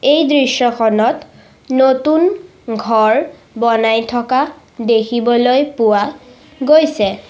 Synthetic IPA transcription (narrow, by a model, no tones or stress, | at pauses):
ejdɹisːɔkʰɔnɔt | notun | ɡʱɔɹ | bɔnajtʰɔka | dekʰibɔlojpʊwa | ɡojsɛ